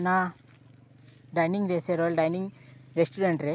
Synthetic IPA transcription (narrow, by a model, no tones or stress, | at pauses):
nãː | ɖɐjniŋɡɾeːseɾolɖɐjniŋɡɾesʈuɾeɳʈɾe